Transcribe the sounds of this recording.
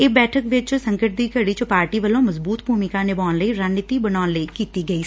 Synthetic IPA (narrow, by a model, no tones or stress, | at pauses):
ɪːbɛːʈʰəkʋɪt͡ʃsəŋkəʈ̚d̪iːkəɽiːt͡ʃəpaːɾʈiːʋəlõːməzbuːt̪bʱuːmɪkãːnɪbaːʊnləiːɾaːnːɪt̪iːbənaːnləiːkiːt̪iːɡəiː